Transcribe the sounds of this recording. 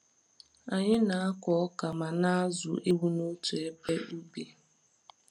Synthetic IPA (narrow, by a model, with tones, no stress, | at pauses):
a˨ɲɪ˦na˨a˦kɔ˨ɔ˦ka˨ma˨na˦a˦zʊ̰˨ʔe˦wu˦no˦tu˨e˦pe˦u˦be˨